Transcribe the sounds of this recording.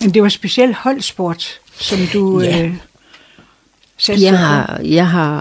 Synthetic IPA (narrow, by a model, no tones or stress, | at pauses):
mend̥e̝ʋɑ̈sb̥e̝siel̰d̥hɒ̽l̰sb̥o̝ɐ̰d̥ | sɒ̽md̥uø | sæ̥jɦɑjɑ̈ɪɦɑ